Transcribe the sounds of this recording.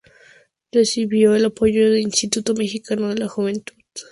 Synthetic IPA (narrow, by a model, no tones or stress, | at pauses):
resiβjo̞elapo̞ʝoðelinst̪it̪ut̪omexikanoðelaxuβent̪uð